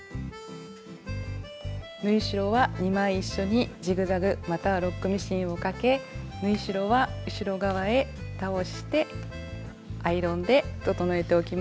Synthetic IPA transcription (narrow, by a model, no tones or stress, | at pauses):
nɯ̟iɕiɾo̞βaɲ̟imãɰ̃iɕːo̞ɲ̟id͡ʑiɡɯ̟zaɡɯ̟mat̪aβaɾo̞kːɯ̟mʲiɕĩɰ̃o̞kake̞mɯ̟iɕiɾo̞βaɯ̟ɕiɾo̞ɡaβae̞t̪ao̞ɕi̥t̪e̞ | aiɾõ̞nd̪e̞t̪o̞t̪o̞noe̞t̪e̞o̞kʲima